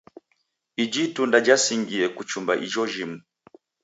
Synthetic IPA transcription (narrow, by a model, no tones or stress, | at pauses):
id͡ʒitundad͡ʒasiŋɡiɛkut͡ʃumba̰ʔid͡ʒɔʒim̩